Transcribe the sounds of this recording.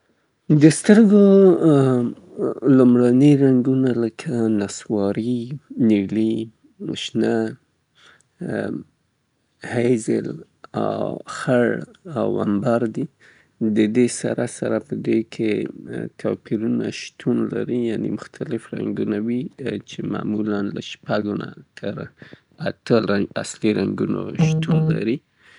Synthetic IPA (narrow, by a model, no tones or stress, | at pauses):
d̪əst̪əɾɡo | lumɽanəjɾaŋɡunaləkʰanaswɑɾiniwli | mʊ̰ʃna | hajzə̰l | a̰wxaɽa̰wa̰mbɑɾd̪i | d̪əd̪esaɾasaɾapəd̪ekʰet̪ʰapiɾunaʃt̪ʰunlaɾijanemʊxt̪ʰalɪfɾa̰ŋɡunawit͡ʃema̰mulanlaʃpaɡonat̪ʰəɾ | at̪əasliɾaŋɡuno̰ʃt̪unlaɾi